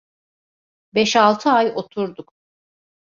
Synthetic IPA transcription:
bɛʃalˠt̪ʰɯajo̞t̪ʰuɾd̪uk

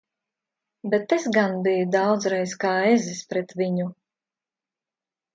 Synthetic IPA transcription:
bɛt̪esɡanbijud̪awd̪zɾɛjskaːezispɾɛt̪viɲu

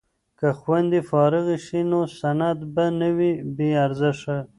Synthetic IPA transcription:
kaxwand̪ifɑɾɪɣeʃinosanad̪banəwibeaɾzɪʂa

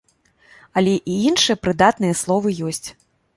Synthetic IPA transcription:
ɐlʲɛʔiinʂɨjɐpɾɨd̪at̪nɨjɛslˠɔvɨjɔsʲt͡sʲ

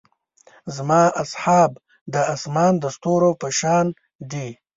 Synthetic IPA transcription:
zmɑːʔasħɑːb | d̪əasmɑːnd̪əst̪oɾopəʃɑːn | d̪i

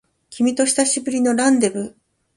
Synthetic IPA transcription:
kʲimʲit̪o̞ɕi̥t̪aɕibɯ̟ɾʲino̞ɾãnd̪e̞bɯ̟

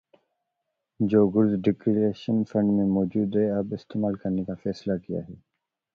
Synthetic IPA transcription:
d͡ʒoːɡʊɾzɖɪkɾiɾeːʃənfɐ̃ɳɖmẽmɔːd͡ʒuːd̪ɦɛɐbɪst̪eːmaːlkɐɾnekafɛːslakija̰ːɦɛː

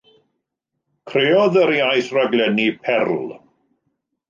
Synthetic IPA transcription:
kʰreːɔðəɾjajθraɡlˠɛnipʰɛrlˠ

